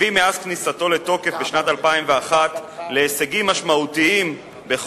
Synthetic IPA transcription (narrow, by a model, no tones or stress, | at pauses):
imeaz̥knisato̞le̞t̪o̞ke̞fbeʃnatalpaimveaχat̪leːseɡimːaʃmaut̪iim | be̞χ